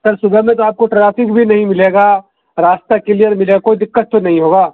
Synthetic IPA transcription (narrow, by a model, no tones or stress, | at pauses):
t̪əɾsʊbɛmẽt̪̬oaːp̚koʈɾaːfɪkbʱinɐɦĩmɪleːɡa | ɾaːst̪akelijəɾmɪleːɡakoːid̪ɪkːət̪̚ːonɐɦĩɦoːɡaː